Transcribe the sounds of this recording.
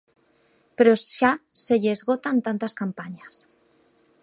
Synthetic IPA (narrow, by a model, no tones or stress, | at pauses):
peɾoʃaseʎezɣot̪ant̪ant̪askampaɲas